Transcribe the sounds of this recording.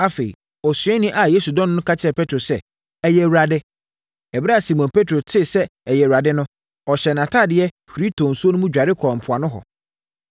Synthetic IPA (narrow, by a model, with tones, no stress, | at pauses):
a˦fe˨ḭ˨ | ɔ˨sɥɛ˦nɪ̃˦ʔa˨je˦su˨dɔ̃˦nʊ̃˦nʊ̃˦kʰa˦t͡ɕʰɪ˦ɛ˨pʰɛ˦tʰɾo˨sɛ˦ | ɛ˨jɛ˨wɾa˨dɪ˦ | ɛ˨bɪ˦ɾa˦a˨si˨mɔ̃˨npʰe˦tʰɾo˨tʰɪ˦˨sɛ˦ɛ˨jɛ˨wɾa˨dɪ˦nʊ̃˦ | ɔ˨ɕɛ˨nã˨tʰa˦˨dɪ˨˦ɛ˦ | fɾi˦tʰo˨n̩˨su˦o˦nʊ̃˦mũ˦d͡ʑᶣa˨ɾɪ˦kʰɔ˨m̩˨pʰʊ˨a˨nʊ̃˦ɦɔ̰˨